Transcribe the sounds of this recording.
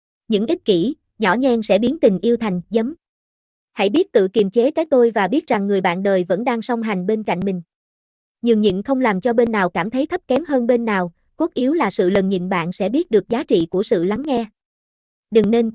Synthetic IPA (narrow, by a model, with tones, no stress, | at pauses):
ɲɨ̰˧˥ŋʔi˦˥t̚ki˧˩ | ɲɔ̰˧˩ɲɛ˧ŋsɛ̰˧˥ɓi˨˦ənt̪ï˨˩ŋ̟ʔi˧əwt̪ʰa˨˩jŋ̟zə˨˦m | ha̰˧˥jɓi˦˥ət̚t̪ɨ̰˧˨ki˨˩əmt͡ɕe˨˦kaː˨˦jt̪o˧jvaː˨˩ɓi˦˥ət̚za˨˩ŋːɨ˨˩əjɓa̰ː˧˨nɗəː˨˩jvə̰˧˥nɗaː˧ŋsɔ˧wŋ͡mɦa˨˩jŋ̟ɓe˧nka̰˧˨jŋ̟mï˨˩ŋ̟ | ɲɨ˧˩ŋɲḭ˧˨nxə˧wŋ͡mlaː˨˩mt͡ɕɔ˧ɓe˧nːaː˨˩wkaː˧˩mt̪ʰə˨˦jt̪ʰə˦˥p̚kɛ˨˦mɦəː˧nɓe˧nːaː˨˩w | ku˦˥t̚ʔi˨˦wlaː˨˩sɨ̰˧˨lə˨˩nɲḭ˧˨nɓa̰ː˧˨nsɛ̰˧˥ɓi˦˥ət̚ɗɨ˨˩ək̚zaː˨˦t͡ɕḭ˧˨ku˧˩əsɨ̰˧˨la˨˦ŋːɛ˧ | ɗɨ˨˩ŋne˧n